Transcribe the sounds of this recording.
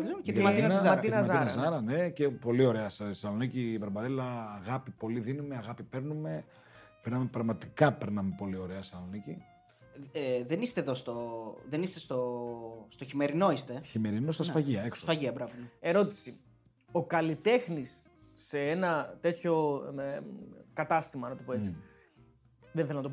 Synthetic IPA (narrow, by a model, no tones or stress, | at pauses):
et̪ɐnnmɐinɐɐzɐnɐzɐɾɐnecepo̞lio̞ɾe̞ɐssɐlo̞nicibɾɐbɐɾelɐːɣɐpipo̞liðinumeɐɣɐpipe̞ɾnume̞ | peɾnɐme̞pɾɐɣmɐt̪i̥kɐpe̞ɾnɐme̞po̞lio̞ɾe̞ɐsɐlo̞nici | ðenist̪eðost̪oðenist̪est̪ost̪oçime̞ɾino̞ist̪eçime̞ɾinost̪ɐsfɐʝiɐeksofɐʝiɐbɾɐpunɐe̞ɾo̞t̪i̥si | o̞kɐlit̪e̞xnisː | e̞enɐt̪e̞t̪ço̞ | kɐt̪ɐst̪imɐnɐt̪opoet͡si | ðenθelonɐt̪o